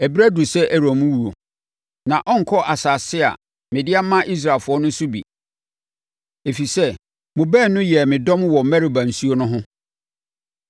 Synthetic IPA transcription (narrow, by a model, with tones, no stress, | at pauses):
ɛ˨bi˦ɾæ˦du˨sɛ˦ʔɛ˦ɾɔ˨mũ˦wu˨ɾo̰˨ | nã˨ʔɔ˦ŋ̩˨kʰɔ˦ʔa˨sa˨sɪ˦a̰˨ | mɪ̃˨dɪ˦a˦mã˦ʔi˦s̬ɾaː˨fʊ˨˦ɔ˦nʊ̃˦sʊ˦bḭ˨ | e˨fi˨sɛ˦ | mʊ̃˨bɛ˦˨nʊ̃˦jɛ˨mɪ̃˨dɔ̃˦mwɔ˨mæ˦ɾi˨ba˨n̩˨su˦o˦nʊ̃˦ɦʊ̃˦